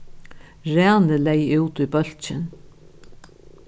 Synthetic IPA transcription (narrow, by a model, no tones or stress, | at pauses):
ɾæːnɪlɛjʉːt̪ujbœl̥t͡ʃɪn